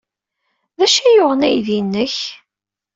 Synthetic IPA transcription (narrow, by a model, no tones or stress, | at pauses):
ðæʃæjoʁənæjðinːəç